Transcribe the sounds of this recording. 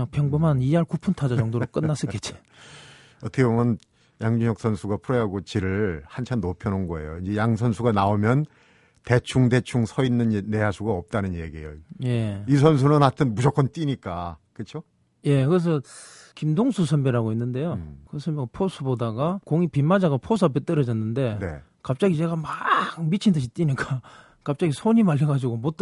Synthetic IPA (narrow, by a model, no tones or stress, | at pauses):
aŋpʰjʌŋbomaniaɭkupʰuntʰad͡ʑad͡ʑʌŋdoɾok͈ɯnːas͈ɯɭk͈et̚t͡ɕ͈i̥ | ʌtʰʌkʰebomjʌn | jaŋd͡ʑuŋjʌk̚s͈ʰʌnsʰuɡapʰuɾʌɦaɡot͡ɕiɾɯɭhant͡ɕʰanːopʰjʌnonɡʌe̞̰joind͡ʑejaŋsʰʌnsʰuɡanaomjʌn | te̞t͡ɕʰuŋde̞t͡ɕʰuŋsʰʌinːɯnːe̞asʰuɡaʌp̚t͈anɯnjeɡiejoje̞is̬ʰʌns̬ʰunɯnɦatʰɯnbud͡ʑʌk͈ʌnt͈iɲik͈akɯt͡ɕʰo | je̞kɯɾes̬ʰʌ | kimdoŋsʰusʰʌnbeɾaɡoinːɯnde̞jokɯsʰʌnbeɡapʰosʰubodaɡakoŋipimad͡ʑaɡapʰos̬ʰapet͈ɯɾʌd͡ʑʌnːɯnde̞nḛ | kap̚t͡ɕ͈aɡid͡ʑe̞ɡamaŋmit͡ɕʰindʰɯɕ̬ʰit͈iɲik͈a | kap̚t͡ɕ͈aɡisʰoɲimaʎjʌɡad͡ʑiɡomot͈